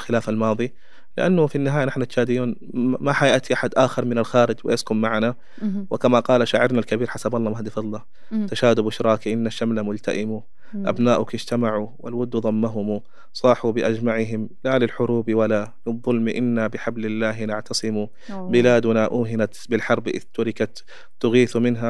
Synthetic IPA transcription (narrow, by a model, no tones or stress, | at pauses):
lxɪlaːfalmɑːðˤi | lɪ̰ʔanːʊfinːɪɦaːjanɪħnat̪ʃaːd̪ɪjuːn | maħajɪʔt̪iʔaħad̪ʔaːxɪɾmɪnalxaːɾɪd͡ʒwɪ̰ʔaskʊmmaʕana | wɪkamaqɑːlaʃaːʕɑɾnalkabiːɾħasabɑlˤːɑːmahd̪ɪfɑlˤːɑː | t̪aʃaːd̪ʊbʔɪʃɾˤɑːkiʔɪnːaʃːamlamʊlt̪aʔɪmu | ʔa̰bnaːʔʊkɪd͡ʒt̪amaʕuwɪ̰lwʊd̪ːuðˤɑmːaɦʊmu | sˤɑːħubɪʔad͡ʒmaʕɪɦɪmlalɪlħʊɾuːbwalalɨðˤːʊlmiʔɪnːabɪħablɪlːaːɦnɪʕt̪ɑsˤɨmu | bɪlaːd̪ʊnaʔuːɦɪnat̪bɪlħɑɾˤbʔɪ̰ðt̪ʊɾɪkat̪ | t̪ːʊɣiːθmɪnɦa